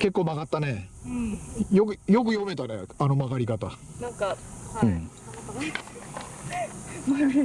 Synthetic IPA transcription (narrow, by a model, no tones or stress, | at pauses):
ke̞kːoːmaɡat̪ːane | jokɯjo̞k̬ɯ̟jo̞me̞t̪anḛano̞maɡaɾʲikat̪anaŋkaɯ̟̃